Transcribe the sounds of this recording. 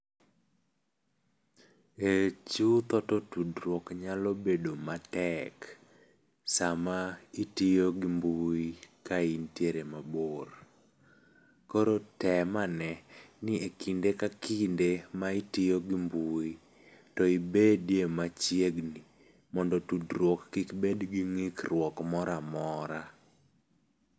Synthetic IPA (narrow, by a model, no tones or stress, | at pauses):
et͡ʃut̪ɔtɔtudɾwɔkɲalobedomatɛk | samaitijoɡimbuikaintjeɾemabor | koɾotɛmanɛnɪekindekakindemaitɪjoɡimbui | tɔibedjemat͡ʃjeɡni | mɔndɔtudɾwɔkːikbedɡiŋikrwɔkmɔɾamɔɾa